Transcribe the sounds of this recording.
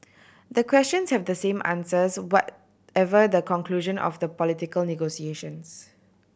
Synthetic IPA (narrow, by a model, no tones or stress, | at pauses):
d̪əkʰwɛst͡ʃə̃nshɛvdəsẽmʔã̰nsəswɔt | ɛvədəkɔ̃ŋkluʒə̃nʔɔ̰fd̪əpɔlitɪkəlnɛɡosieʃə̃ns